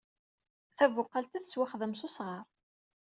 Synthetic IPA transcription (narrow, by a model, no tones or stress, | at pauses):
θævʊqːalt̪æθə̥swaχðəmsʊsʁɑɾˤ